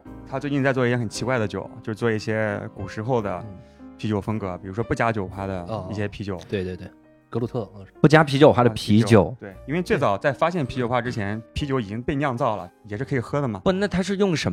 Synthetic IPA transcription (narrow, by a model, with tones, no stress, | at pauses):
t̪ʰa˥t͡swe˥˧ɪt͡ɕi˥˧nt͡sa˥˧t͡swɔ˥˧i˥˩jɛ˥xə˨˩nt͡ɕʰi˧˥kwa˥˩ɪd̪ə˩t͡ɕjo̰˨˩˦ʊt͡ɕjʂɻ̩˥˩t͡swɔ˥˩i˥˩ɕjɛ˥ku˨˩ʂɻ̩˧˥xo˥˩ʊd̪ə̰˩pʰi˧˥t͡ɕjo˨˩ʊfɤ˥ŋkɤ˧˥pi˨˩ɻu˧˥ʂwɔ˥pu˥˩t͡ɕja˥t͡ɕjo˨˩ʊxʰwa˧˥d̪ə˨˧i˥˩ɕjɛ˥pʰi˧˥t͡ɕjo˨˩ʊwe˥˧twe˧t̪we˥˩ | kɤ˧˥lu˥˧˩t̪ʰɤ˥˩˧pu˥˩t͡ɕja˥pʰi˧˥t͡ɕjo˨˩ʊxwa˥d̪ə˧˨pʰi˧˥t͡ɕjo˨˩˦ʊt̪we˥˩ɪi˥nwe˥˧ɪt͡swe˥˩ɪt͡sɑ˨˩ʊt͡sa˥˩ɪfa˥ɕjɛ˥˩npʰi˧˥t͡ɕjo˨˩ʊxwa˥˩ʈ͡ʂɻ̩˥t͡ɕʰjɛ˧˥npʰi˧˥t͡ɕjo˧˥i˨˩t͡ɕi˥ŋpe˥˧ɪnjɑ˥˧ŋt͡sɑ˥˩ʊlə̰˩jɛ˨˩ʂɻ̩˥˩kʰɤ˧˥i˨˩xɤ˥d̪ə˨mɐ˩˥na˥˩t̪ʰa˥ʂ̬ɻ̩˥˧jʊ˥˩ŋʂə˧˥